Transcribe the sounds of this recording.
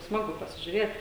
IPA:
ˈsmɑːɡʊ pɐsʲɪʒʲʊˈrʲeːt

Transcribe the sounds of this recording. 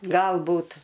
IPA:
ɡɐlˠˈbuːt

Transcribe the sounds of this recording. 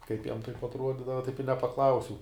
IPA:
ˈkɐɪp jɛm tɐɪp ɐtˈruɔdʲiːdɐʋɐ ˈtɐɪp ɪ nʲɛpɐˈklˠɐʊsʲɛʊ

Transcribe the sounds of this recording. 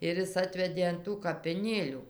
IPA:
ɪr ˈjɪs ˈɑːtʲʋʲɛdʲeː ɐn ˈtuː kɐpʲɪˈnʲeːlʲuː

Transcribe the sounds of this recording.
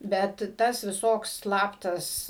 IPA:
ˈbʲɛt ˈtɐs ʋʲɪˈsoːks ˈslˠɑːptɐs

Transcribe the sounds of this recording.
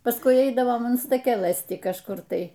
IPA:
pɐsˈkʊɪ ˈɛɪdɐʋoːm ɐn stɐˈkʲæːlˠɘs ˈtʲɪ kɐʃˈkʊr ˈtɐɪ

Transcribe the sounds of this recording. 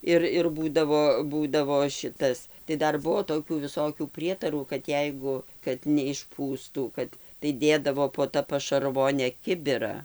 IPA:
ˈɪr ɪr ˈbuːdɐʋoː ˈbuːdɐʋoː ˈʃʲɪtɐs tɐɪ ˈdɐr ˈbuɔ toːˈkʲuː ʋʲɪˈsoːkʲuː ˈpʲrʲiɛtɐruː kɐt ˈjɛɪɡʊ kɐt nʲɛɪʃˈpuːstuː ˈkɐt tɐɪ ˈdʲeːdɐʋoː poː ˈtɐ pɐʃɐrˈʋoːnʲɛ ˈkʲɪbʲɪrɐ

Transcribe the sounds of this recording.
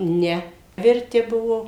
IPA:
ˈnʲɛ ʋʲɪrʲˈtʲɪ bʊʋoː

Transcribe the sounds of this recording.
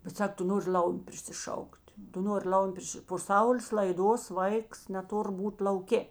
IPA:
bʲɛt ˈsɐk ˈtʊ ˈnoːrʲɪ ˈlʲɐʊmʲʊ pʲrʲɪsʲɪˈʃɐʊkʲtʲ ˈtʊ ˈnoːrʲɪ ˈlˠɐʊmʲʊ ˈpʲrʲɪʃʲɪ poː ˈsɐʊlʲeːs lˠɐɪˈdoːs ˈʋɐɪks nʲɛˈtʊr ˈbuːt lˠɐʊˈkʲeː

